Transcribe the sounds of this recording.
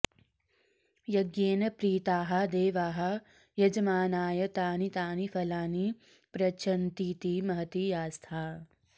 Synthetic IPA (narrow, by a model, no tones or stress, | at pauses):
jɐɡjeːnɐpɾiːt̪aːɦɐ̆d̪eːʋaːɦɐ̆ | jɐd͡ʒɐmaːnaːjɐt̪aːnit̪aːnifɐlaːni | pɾɐt͡ʃʰɐnt̪iːt̪imɐɦɐt̪ijaːst̪ʰaː